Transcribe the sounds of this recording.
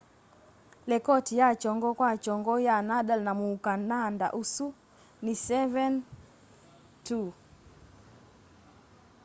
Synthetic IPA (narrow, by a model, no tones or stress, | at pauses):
lɛkɔtijat͡ʃɔŋɡɔkwat͡ʃɔŋɡɔjanaɗalnamuːkananda̰ʔusu | nisɛvɛn | tu